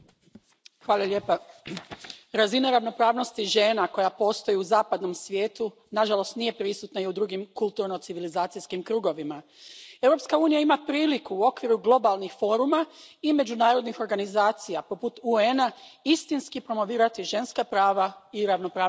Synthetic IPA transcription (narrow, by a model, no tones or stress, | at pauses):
xʋaːlˠalʎeːpa | ɾazinaɾaʋno̞pɾaːʋno̞st̪iʒe̞ːnako̞japo̞ːst̪o̞jiuzaːpad̪no̞msʋjeːt̪u | naʒalˠo̞st̪nije̞pɾisut̪naiud̪ɾuːɡimkulˠt̪uɾno̞t̪siʋilizaːt̪sijskimkɾuːɡo̞ʋima | e̞wɾo̞pskauːnijaimapɾiːlikuːo̞kʋiɾuɡlˠo̞balˠnixfo̞ːɾumaime̞d͡ʑunaːɾo̞d̪nixo̞ɾɡanizaːt̪sijapo̞put̪uenaist̪inskipɾo̞mo̞ʋiːɾat̪iʒe̞nskapɾaːʋaiɾaʋno̞pɾaː